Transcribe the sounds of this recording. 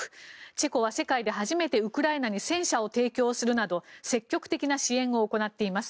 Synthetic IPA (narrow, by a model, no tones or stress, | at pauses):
t͡ɕe̞ko̞β̞ase̞kaid̪e̞ɦaʑime̞t̪e̞ɯ̟kɯ̟ɾaenaɲ̟isẽ̞ɰ̃ɕao̞t̪e̞ːkʲo̞ːsɨɾɯ̟nad̪o̞se̞kʲːo̞kɯ̟̥t̪e̞kʲinaɕiẽ̞ɰ̃o̞ːko̞nat̪ːe̞imasɨ̥